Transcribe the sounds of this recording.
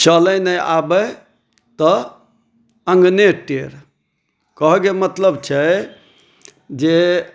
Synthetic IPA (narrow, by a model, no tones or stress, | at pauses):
t͡ʃələjnəja̰bə | t̪ɔ | əŋɡneʈeɾ | kəɦɡemət̪ləbt͡ʃʰɛ | d͡ʒe